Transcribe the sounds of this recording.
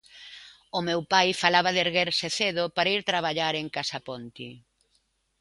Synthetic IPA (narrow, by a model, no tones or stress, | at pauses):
ʊmewpajfalaβɐðeɾɣeɾseθeðʊpaɾaiɾt̪ɾaβ̞aʎaɾeŋkasapɔnt̪i